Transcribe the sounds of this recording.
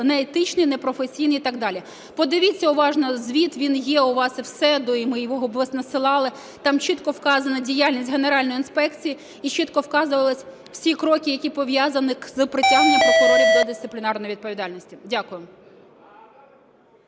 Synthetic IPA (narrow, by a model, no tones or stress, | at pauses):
nɛːt̪ɪt͡ʃnɨjnepɾɔfesʲijnijit̪ɑɡd̪ɑlʲi | pɔd̪ɪʋʲit͡sʲːɐʊʋɑʒnɐzʲʋʲit̪ʋʲinjɛʊʋɑsɪwsɛd̪ɔimɪjʋɔɦɔbʋˠɐsʲnɐsɪlˠɑlˠɪ | t̪ɑmt͡ʃɪt̪kɔwkɑzɐnɐdʲijalʲnʲisʲtʲɦe̞neɾɑlʲnjinspɛkt͡sʲiji | it͡ʃɪt̪kɔwkɑzʊʋɐlˠɪsʲ | w̥sʲikɾɔkɪjɐkʲipɔʋjɑzɐnɪzɨpɾɪtʲaɦnenʲːɐmpɔkɔɾɔɾʲid̪ʲɐd̪ɪst̪ɪ̥plʲɪnɑrnɔjʊʋʲid̪̚pɔʋʲid̪ɑlʲnɔsʲtʲidʲakʊjɛm